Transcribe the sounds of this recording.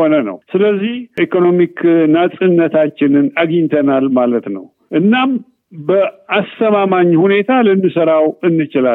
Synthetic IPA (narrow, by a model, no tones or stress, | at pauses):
onənə̰wsɨləzːihʔikʰo̞no̞miknasʼɨnːət̪ʰat͡ʃːɪnɨnaɡiɲt̪ʰənalmalət̪nə̰w | ʔɨnːam | bəast̪ʰəmamaɲːhune̞t̪ʰalɨnːɨsəɾawɨnːɨt͡ʃɪla